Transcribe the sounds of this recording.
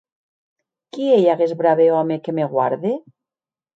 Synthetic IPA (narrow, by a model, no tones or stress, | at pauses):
kieʎaɣezβɾaβeɔmekemeɣwaɾðe